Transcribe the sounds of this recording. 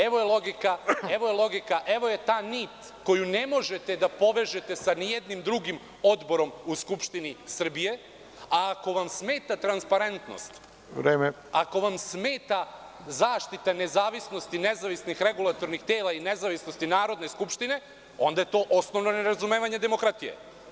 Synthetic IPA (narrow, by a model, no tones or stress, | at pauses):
eʋojelˠo̞ɡikaeʋojelˠo̞ɡikaʔe̞ʋo̞je̞t̪aːniːt̪ | ko̞junemo̞ʒet̪e̞d̪apo̞ʋeʒe̞t̪e̞sanijed̪nimd̪ɾuɡim | o̞d̪bo̞ɾo̞muskupʃt̪inisr̩bije̞ | aːko̞ʋamsmeːt̪at̪ɾanspaɾe̞nt̪no̰st̪ | ʋɾeːme | ako̞ʋamsmeːt̪a | zaːʃt̪it̪ane̞zaːʋisno̞st̪ine̞zaʋisnixɾe̞ɡulˠat̪o̞ɾnixt̪eːlaine̞zaʋisno̞st̪inaːɾo̞d̪ne̞skupʃt̪ine̞ | o̞nd̪aje̞t̪o̞ːʔosnoʋno̞neɾazumeːʋaɲe̞d̪emokɾat̪ijḛ